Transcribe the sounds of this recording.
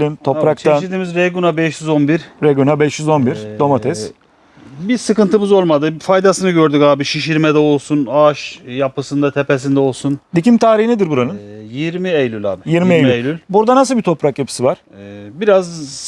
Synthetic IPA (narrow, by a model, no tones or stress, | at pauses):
lʲimt̪ʰo̞pɾak̚t̪ʰaiɾd̪iːmizɾeɡunabɛʃjyzo̞nbiɾɾeɡunabɛʃjyzo̞nbiɾd̪o̞mat̪ʰɛz | bisɯkɯnt̪ʰɯmɯzo̞lˠmad̪ɯfajd̪asɯnɯɟøɾd̪ykaːbiʃiʃiɾmɛd̪ɛo̞lˠsunaʃjapɯsɯnd̪at̪ʰepes̬ind̪ɛo̞lˠsund̪icimt̪ʰaːɾihinɛd̪iɾbuɾanɯnjiɾmiejlʲylʲa̰ːbɪjiɾmiejlʲjlʲylʲbuɾd̪anasɯlˠbit̪ʰo̞pɾakjapʰɯ̥sɯvaɾ̥ɛbiɾaz